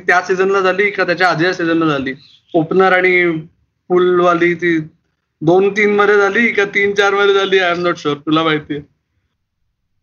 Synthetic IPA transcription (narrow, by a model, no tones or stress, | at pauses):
it̪jasid͡zənlad͡zʱaliːkãt̪jat͡ɕjaːd͡z̪jasid͡zənlad͡zʱaliː | opnəɾaɽ̃i | fuːlʋaliːt̪iː | d̪ont̪iːnməd̪ʱjed͡zʱaliːkat̪iːnt͡ɕaɾməd̪ʱjed͡zaliːajəmnoʈɕəɾt̪ulabaɦit̪e